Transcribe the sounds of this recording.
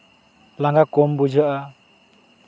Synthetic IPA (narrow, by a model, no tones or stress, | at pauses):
laŋɡakɔmbud͡ʒaʔa